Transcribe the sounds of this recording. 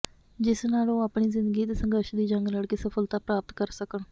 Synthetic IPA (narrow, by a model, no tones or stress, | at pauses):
d͡ʒɪsnaːlõːaːpɳiːzɪnd̪əɡiːt̪eːsəŋɡəɾʃd̪iːd͡ʒəŋɡləɽkeːsəfʰəlt̪aːpɾaːpət̪kəɾsəkəɳ